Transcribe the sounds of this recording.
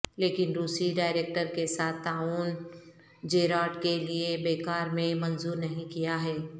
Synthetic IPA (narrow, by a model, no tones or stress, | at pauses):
leːkɪnɾuːsiɖaːɪɾeːk̚ʈəɾkesaːt̪ʰt̪aːuːn | d͡ʒeːɾaːʈkeliebeːkaːɾmẽmɐnzuːɾnɐɦĩkijaɦɛː